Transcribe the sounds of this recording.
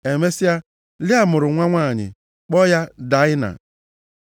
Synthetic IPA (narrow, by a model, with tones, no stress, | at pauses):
e˨me˦si˦a˦ | lɪ˦a˦mʊ˨ɾʊ˨ŋʷa˦ŋʷa˦˨ɲɪ̰˨ | k͡pɔ˦ja˦da˨˦ɪ˦na̰˨